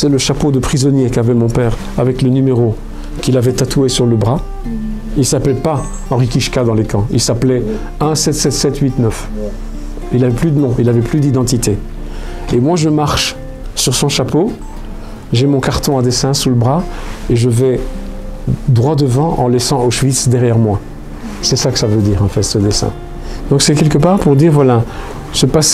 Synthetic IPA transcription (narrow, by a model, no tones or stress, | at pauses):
sɛləʃapod̪əpχizɔnjekavɛmɔ̃pɛʁ | avɛklənymeʁo | kʲilavɛt̪at̪ʰuesyʁləbʁa | ilsaplɛpa | ɑ̃ʁikʲiʃkad̪ɑ̃lekɑ̃ilsaplɛ | ɛ̃sɛt̪sɛt̪sɛt̪ɥit̪nœf | ilavɛplyd̪ənɔ̃ʔilavɛplyd̪id̪ɑ̃t̪it̪ʰe | emwaʒəmaʁʃ | syʁsɔ̃ʃapo | ʒemɔ̃kaʁt̪ɔ̃ɛ̃d̪esɛ̃suləbʁaeʒəvɛ | d̪ʁwad̪əvɑ̃ʔɑ̰̃lɛsɑ̃oʃvit̪sd̪ɛʁjɛʁmwa | sɛsakə̥savød̪iːʁɑ̃fɛt̪səd̪esɛ̰̃ | d̪ɔ̃ksɛkʲɛlkəpaʁpuʁd̪iʁvwala | səpas